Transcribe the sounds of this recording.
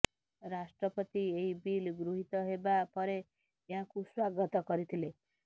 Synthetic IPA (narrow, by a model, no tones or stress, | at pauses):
ɾasʈrʌpʌt̪ieibilɡɾuɦit̪ʌɦebapʌɾe | jɦãkuswaɡʌt̪ɔkʌɾit̪ʰile